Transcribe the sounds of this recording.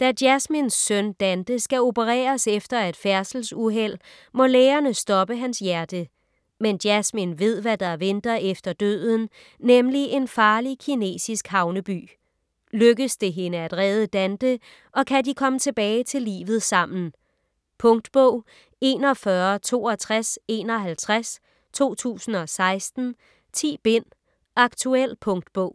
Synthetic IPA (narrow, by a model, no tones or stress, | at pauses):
d̥æd̥jæsminsːœnd̥ænd̥əsɡ̥æo̝bəʁɛ̰ːɐsefd̥ɐæd̥fæɐsl̩suɦel̰ | mɒ̽leːɐnəsd̥ɒ̽b̥əɦænsjæɐd̥ə | mend̥jæsminʋe̝ð̞̰ˠʋæd̥ɑ̈ɐʋend̥ɐefd̥ɐd̥ø̰ðˠn̩ː | emliʔe̝nfɑ̈ːlikʰine̝̰ːsisɡ̥hɑ̈ʊnəb̥y̰ː | løɡ̥əsd̥e̝ɦe̝nəædʁɛːðˠəd̥ænd̥ə | ʔɒ̽kʰædikʰɒ̽mət͡sʰe̝b̥ɛːɪt͡sʰe̝lḭːʋð̞̩ˠsɑ̈m̰n̩ | pʰɔ̽ŋd̥b̥ɔʊ̰ | e̝ːnɒ̽fɶɐt͡sʰo̝̰ːɒ̽t͡sʰʁase̝ːnɒ̽ɦælt͡sʰʁas | t͡sʰo̝̰ːt͡sʰṵːsn̩ɒ̽sɑ̈ɪsd̥n̩ | t͡sʰḭːb̥e̝n̰ | ʔɑ̈ɡ̥t͡sʰuel̰pʰɔ̽ŋd̥b̥ɔʊ̰